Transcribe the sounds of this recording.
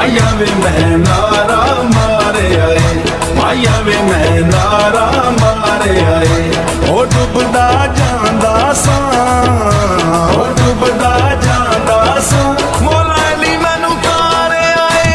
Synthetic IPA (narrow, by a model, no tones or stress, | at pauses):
jaːʋeːmɛɦnaɾaː | maːɾeːaːeː | maːjaːʋeːmɛɦnaːɾaːmaː | ɾeːaːe | ɦoːd̪ʊbd̪aːd͡ʒãːnd̪aːsũ | ɦod̪ʊbd̪aːd͡ʒãːnd̪aːsũ | moːlaːɛliːmɛːnũːkaː | ɾeaːe